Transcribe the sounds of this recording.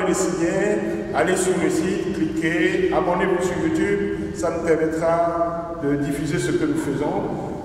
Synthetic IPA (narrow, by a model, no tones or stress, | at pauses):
elesiɲẽ | alesyʁːesiklikʲeabɔ̃d̪evɔ̃syʁjut̪yb | sanupɛʁmɛt̪χa | d̪əd̪ifyzesəkənufəzɔ̃